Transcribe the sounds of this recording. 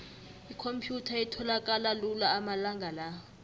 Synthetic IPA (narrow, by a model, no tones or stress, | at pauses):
ikʰompʰjutʰaɛtʰɔlakʼalalulaːmalaŋɡʱalaːwɔ